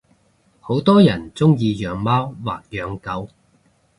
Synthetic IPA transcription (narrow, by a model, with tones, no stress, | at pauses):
ho˨˥wt̪ɔː˥jɐ˨˩nt͡sʊ˥ŋjiː˧jœː˨˧ŋmaː˥wwa̰ː˨k̚jœː˨˧ŋkɐ˨˥w